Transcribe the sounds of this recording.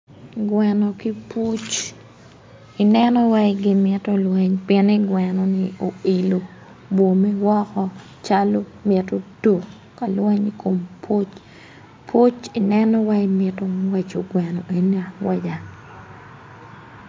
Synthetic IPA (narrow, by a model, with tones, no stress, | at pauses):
ɡwɛ˨nɔ˨ki˦pu˦t͡ʃ | i˨nɛ˦nɔ˦wa˦ɪɡɪ˦mɪ˦to˦lwɛ˦ɲpɪɛ˦ni˦ɡwɛ˨nɔ˨nɪo˨i˨lo˨ | bo˨mɛ˦wɔ˦kɔ˦ | t͡ʃa˦lo˦mɪto˦do˨ | ka˨lwɛ˦ɲi˦ko˨mpʰo˦t͡ʃ | pʰo˦t͡ʃi˨nɛ˦nɔ˦wa˦imɪ˦to˦wɛ˨t͡ʃo˨ɡwɛ˨no˨ʔe˨nia˨wa˦d͡ʒa˨